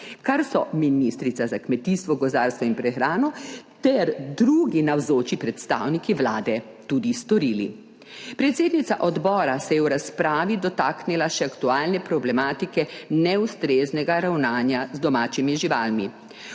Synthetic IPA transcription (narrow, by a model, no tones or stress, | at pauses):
kaɾsɔ̰minist̪ɾit̪sazakmɛt̪ist̪ʋɔɡɔzaɾst̪ʋɔinpɾɛxɾaːnɔt̪ɛɾd̪ɾuːɡinawzoːt͡ʃipɾɛt̪st̪a̰wnikiʋlaːd̪ɛ | t̪ud̪ist̪ɔɾiːlḭ | pɾɛt̪seːd̪nit̪saʔɔd̪bɔːɾasɛjɛwɾaspɾaːʋid̪ɔt̪aːknilaʃɛakt̪uaːlnɛpɾɔblɛmaːt̪ikɛnɛust̪ɾeznɛɡaɾawnaːnjazd̪ɔmaːt͡ʃimiʒiʋaːlmi